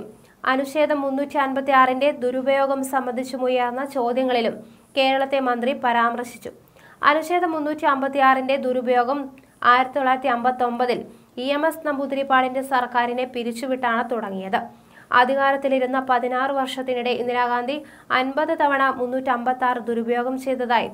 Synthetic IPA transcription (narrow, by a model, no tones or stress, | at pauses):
ɐ̰nuɕe̞ːd̪ʱɐmːunːuːtːiɐnbɐt̪ːijaːrinded̪uɾubɐjo̞ːɡɐmsɐmbɐnd̪ʱit͡ɕːumujaːɾunːɐt͡ɕo̞ːd̪jɐŋːɐɭilum | ke̞ːɾɐɭɐt̪ːe̞mɐnd̪ripɐɾaːmrɐɕi̥t͡ɕːu | ɐ̰nuɕe̞ːd̪ɐmːunːuːtːiɐmbɐt̪ːijaːrinde̞d̪uɾubɐjo̞ːɡɐm | aːjiɾɐt̪ːioɭːaːjiɾɐt̪ːiɐmbɐt̪ːo̞mbɐðil | iemesnɐmbud̪ɾipːaːɽinde̞sɐrkaːɾine̞piɾit͡ɕːuʋiʈːaːɳɨt̪uɽɐŋːijɐðɨ | ɐ̰d̪ʱiɣaːɾɐt̪ːiliɾunːɐpɐðinaːrɨʋɐrʂɐt̪ːinuɽe̞ʔinːiɾaːɡaːnd̪ʱi | ɐnbɐðɨt̪ɐʋɐɳɐmunːuːtːiɐmbɐt̪ːaːrɨd̪uɾubɐjo̞ːɡɐmt͡ɕe̞jt̪ːɐðaːjḭ